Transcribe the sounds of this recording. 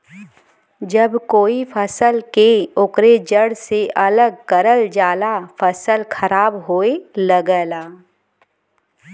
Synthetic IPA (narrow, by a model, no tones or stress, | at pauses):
d͡ʒəbkoːifʰəsəlkeʊkɾed͡ʒəɽseʔɐləɡ̚kəɾəld͡ʒaːlafʰəsəlkʰɐɾaːbɦoːeləɡəlaː